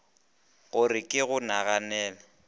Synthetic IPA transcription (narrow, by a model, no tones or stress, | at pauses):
ɣʊrɪkʼɪɣʊnaɣanɛːlɛ